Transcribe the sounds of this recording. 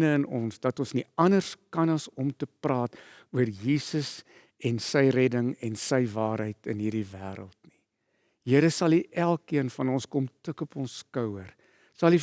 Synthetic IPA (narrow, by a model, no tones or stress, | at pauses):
nəənɔnsdɐtɔnsniɐnərskɐnɐsɔmtəprɑːtuərjiːsəs | ɛnsəjrɛdəŋɛnsəjvɑːɾɦəjtənɦiːrdivæːɾə̰lˠtni̥ | jiəɾəsɐlˠiʔælˠkiənfɐnɔnskɔmtəkɔpɔnskœwər | sɐlˠif